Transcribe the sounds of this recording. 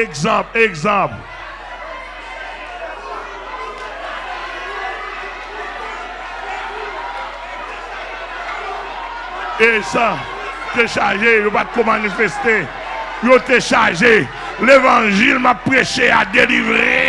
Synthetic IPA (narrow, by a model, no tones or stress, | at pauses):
eɡzɑ̃pleɡzɑ̃pl | esa | t̪eʃaʒejopat̪̚kõmanifest̪e | jot̪eʃaʒe | levɑ̃ʒilmapːʁeʃead̪elivʁe